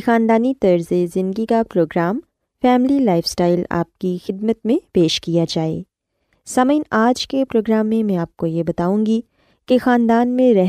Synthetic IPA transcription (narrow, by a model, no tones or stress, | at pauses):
xaːnd̪aːnit̪ɐɾzezɪ̃nd̪ɡikapɾoːɡɾaːm | fɛːmlilaːɪfsʈaːɪla̰ːp̚kixɪd̪̚mət̪mẽpeːʃkijad͡ʒaːḛː | sɐməɪnaːd͡ʒkepɾoːɡɾaːmːẽmɛ̃aːp̚kojebɐt̪aːũːŋɡi | kexaːnd̪aːnmẽɾɛɦ